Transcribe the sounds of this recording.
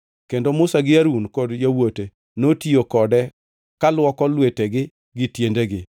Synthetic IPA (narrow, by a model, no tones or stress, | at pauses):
kendomʊsaɡɪaɾunkɔdjawote | notiokɔdɛ | kalwɔkɔlweteɡɪ | ɡɪtjendeɡɪ